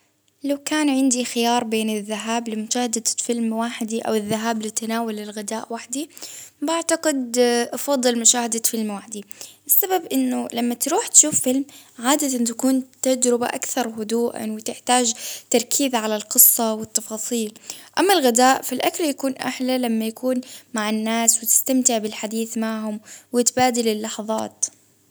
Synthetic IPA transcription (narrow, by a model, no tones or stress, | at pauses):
lawkaːnʕɪnd̪ixɪjɑːɾˤbeːnɪðːaɦaːblɪmʊʃaːhad̪afɪlmwaħɪd̪iʔa̰wɪðːaɦaːblɪt̪anaːwalɪlɣɪd̪aːʔwaħd̪ibaʕt̪aqɪd̪ʔɑfɑd̪ˤːɨlmʊʃaːhɪd̪afɪlmwaħd̪iʔɪsːababʔɪnːʊlamːat̪ɾuːħt̪ʃuːfːɪlmʕaːd̪at̪ant̪akuːnt̪ad͡ʒɾɪba̰ʔakθɑɾˤɦʊd̪uːʔa̰nwɪt̪ɪħt̪aːd͡ʒt̪ɑɾˤkʰiːðʕalalqɨsˤːɑwɪt̪ːɑfɑːsˤiːlʔamːalɣɪd̪aːʔfalʔakaljakuːnʔa̰ħlalamːajakʰuːnmaʕɪnːaːswɪt̪ɪ̥st̪amt̪ɪʕbɪlħad̪iːθmaʕhʊmwɪt̪baːd̪ɪlɪlːɑħɑðˤɑ̰ːt̪